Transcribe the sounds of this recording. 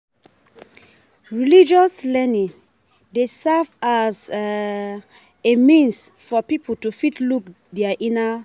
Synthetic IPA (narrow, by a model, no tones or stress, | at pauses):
ɹilid͡ʒɔslɛnĩŋ | desɛvaz | emĩnsfɔpipʰəl̩tufitluk | dɛaʔĩna